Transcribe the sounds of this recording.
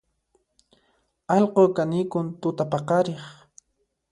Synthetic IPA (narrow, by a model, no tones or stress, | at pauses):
ɑlqokanɪkʊnt̪ʊt̪apɑqɑɾeχ